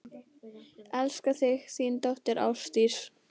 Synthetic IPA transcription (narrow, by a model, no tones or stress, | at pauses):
ɛlskaθɪɣθiːnt̪ɔht̪ɪɾa̰wst̪iɾ̥